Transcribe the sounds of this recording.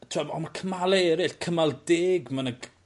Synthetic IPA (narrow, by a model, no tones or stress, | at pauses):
tʰwabɔmakʰəmalˠɛːɾɪɬkʰəmalˠdeːɡmanəɡ